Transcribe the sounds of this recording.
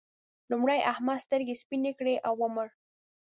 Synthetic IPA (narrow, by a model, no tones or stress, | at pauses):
lumɽajʔahmɑst̪əɾɡespinekɽeʔawʊməɾ